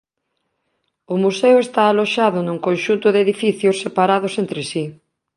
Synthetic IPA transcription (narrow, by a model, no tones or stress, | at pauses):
ʊmusewest̪aːloʃaðʊnũŋkonʃunt̪ʊðeðifiθjosːepaɾaðosent̪ɾɪsi